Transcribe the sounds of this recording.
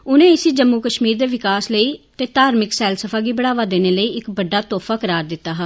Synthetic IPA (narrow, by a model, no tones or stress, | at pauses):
ʊnẽːɪsiːd͡ʒəmːuːkəʃmiːɾd̪eːʋɪkaːsləiːt̪eːt̪aːɾmɪksɛːlsəpʰaːɡiːbəɽaːʋaːd̪eːneːləiːɪkbəɖːaːt̪ɔːfʰaːkəɾaːɾd̪ɪt̪ːaːɦaː